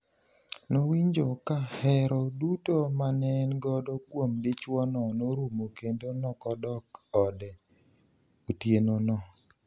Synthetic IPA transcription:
nowiɲd͡ʒokahɛɾɔdutomanɛnɡɔdɔkwomdɪt͡ʃwɔnɔnoɾumokendonɔkɔdɔkɔdɛ | otjenonɔ

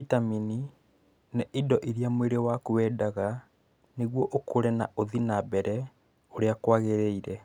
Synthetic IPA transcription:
itamini | neʔidɔʔiɾiamweɾewakuwɛdaɣa | neɣwɔʔokoɾɛna̰ʔoðinabɛɾɛ | oɾeakwaɣeɾeiɾɛ

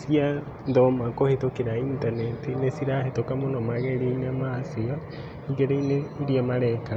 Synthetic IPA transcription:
sia | dɔmakohetokeɾaintanɛtinesiɾahetokamonɔmaɣeɾeinamasea | iɡeɾeineiɾiamaɾɛka

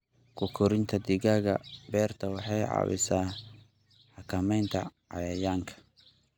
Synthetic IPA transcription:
kʰʊkʰʊɾɪnt̪ʰɐd̪ɪɣaːɣɐbɛːrt̪ʰɐwɑħɑjʕɑ̰wɪ̰saː | ħɑkʰɐmɛjnt̪ʰɐʕɑ̰jɐjaːŋkʰɐ̥

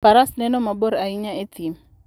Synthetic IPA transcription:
paɾasnɛnɔmaboɾaiɲaetim̩

